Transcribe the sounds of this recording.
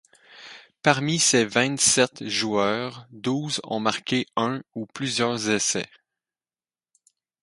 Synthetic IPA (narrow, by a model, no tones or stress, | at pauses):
paʁmisevɛ̃t̪sɛt̪ʒuœːʁd̪uːzɔ̰̃maʁkʲeœ̃uplyzjœːʁzesɛ